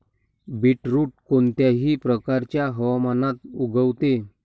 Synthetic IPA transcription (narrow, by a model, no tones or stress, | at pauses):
biʈɾuːʈ̚kont̪jaɦiːpɾəkaɾt͡ɕjaɦəʋamanat̪uɡʱəʋt̪e